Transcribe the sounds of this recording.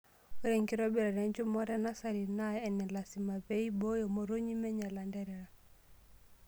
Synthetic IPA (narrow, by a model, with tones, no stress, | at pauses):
wu˦ɾɛŋki˦ɾɔbiɾa˨ɾɛɲd͡ʒu˦mɔ˦ɾɛ˦nasa˨ɾi˨najɛnɛ˨lasima˨βeibɔ˦jɔmo˨ɾo˦ɲi˦mɛ˦ɲɛ˨la˨ndɛɾɛɾa˨